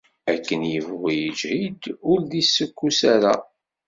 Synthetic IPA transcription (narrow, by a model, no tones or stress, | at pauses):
ækːənjəvʁijəd͡ʒhid̪ʊɾðisːəkʷːusaɾæ